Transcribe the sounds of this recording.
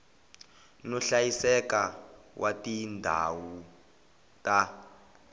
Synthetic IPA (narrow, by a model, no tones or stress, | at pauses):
nɔɬajisɛkawʔatindʱa̰wu | tʼa